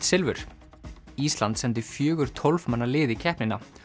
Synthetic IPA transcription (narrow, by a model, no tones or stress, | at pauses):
t̪sɪlvʏ̰ɾ̥ | iːst̪lant̪sɛnt̪̬ɪfjœːɣʏɾ̥t̪ʰɔlvmanːaɾlɪːðɪcʰɛhpnɪna